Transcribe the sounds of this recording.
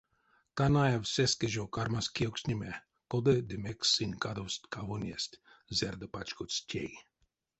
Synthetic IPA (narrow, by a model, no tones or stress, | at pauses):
t̪anajavsɛskeʒowkarmaskioksʲnʲimʲɛ | kod̪ɛd̪ɨmɛksɨnʲkad̪owst̪ʲkavonʲjɛsʲtʲ | zɛrd̪əpat͡ʃkot̪stʲḛj